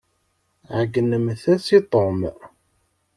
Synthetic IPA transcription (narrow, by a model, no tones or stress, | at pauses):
ʕəɡənːəmθæsit̪ˤom